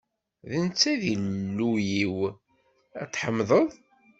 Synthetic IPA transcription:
ðənt͡sːæðilːujiw | æ̰t̪ːħəmːðˤəðˤ

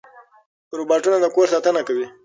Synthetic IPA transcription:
ɾubɑʈunad̪əkoɾsɑt̪ənakawi

